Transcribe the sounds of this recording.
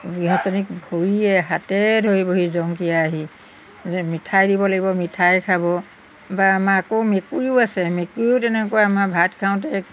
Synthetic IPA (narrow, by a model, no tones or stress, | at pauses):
ɡiɦɔsɔnik̚bʱoɹiɛɦatɛdʱojboɦizɔŋkijaːɦi | mitʰajdibɔlaɡibɔmitʰajkʰabɔ | baːmaːkomekuɹiʊasɛmekuɹiʊtɛnɛkɔwjaamabʱatkʰaʊ̃t̬ɛ